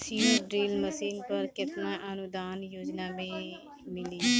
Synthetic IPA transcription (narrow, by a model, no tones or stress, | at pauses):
siːəːɖɾiːlməsiːnpəɾkɪt̪nãːʔənʊd̪aːnjoːd͡ʒnaːmẽː | mɪliː